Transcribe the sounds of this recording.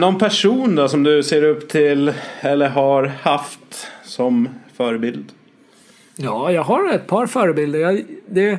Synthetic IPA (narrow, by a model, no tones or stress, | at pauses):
nɔnpʰæʂuːnd̪ɔsɔmd̪ɵseːɾɵpːt̪ʰɪlɛlːəɾɦaɾhaft̪sɔmfœːɾəbɪld̪ | jɑːjɑːɡɦaɾɛt̪̚pʰɑːɾfœːɾəbɪld̪əɾjɑd̪ɛ